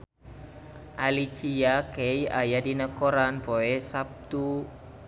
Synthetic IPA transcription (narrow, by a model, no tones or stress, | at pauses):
ʔalit͡ʃiakɛja̰jadinəkoɾanpoesap̚t̪u